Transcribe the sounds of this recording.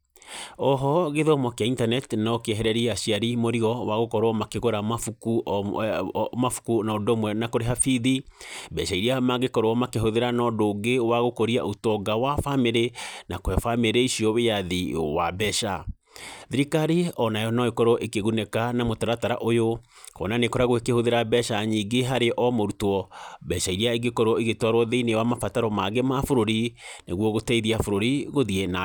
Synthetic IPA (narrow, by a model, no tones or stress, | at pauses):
ɔɦɔɣeðɔmɔkeaintanɛtnɔkeɛɦɛɾɛɾiaʃiaɾimoɾiɣɔwaɣokɔɾwɔmakeɣoɾamafuku | mafu̥kunaɔdomwɛnakoɾeɦafiðibɛʃaiɾiamaɣekɔɾwɔmakeɦoðeɾanɔdoːɡewaɣokoɾia̰ʔotɔɡawafameɾenakwɛfameɾeiʃiɔwejaðiwa̰bɛʃa̰ | ðiɾikaɾiɔnajɔnaekɔɾɔʔekeɣunɛkanamotaɾataɾa̰ʔojokɔ̰nanekɔɾaɣwekehoðeɾabɛʃaɲiːɡeɦaɾeʔɔmoɾutɔbɛʃaiɾiaeɡekɔɾɔiɣetwaɾwɔðeinewamafataɾɔmaɡemafoɾoɾineɣwɔɣotɛiðiafoɾoɾiɣoðiena